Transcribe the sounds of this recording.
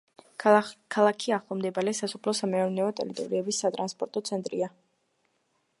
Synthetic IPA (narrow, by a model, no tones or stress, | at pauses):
kʰalˠakʰiaχlˠɔmd̪ɛbaɾɛsasɔpʰlɔsamɛɔɾnɛɔt̪ʼɛ̰ɾit̪ʼɔ̰ɾiɛbisːat̪ʼɾanspʼɔɾt̪ʼɔt̪sʰɛnt̪ʼɾḭa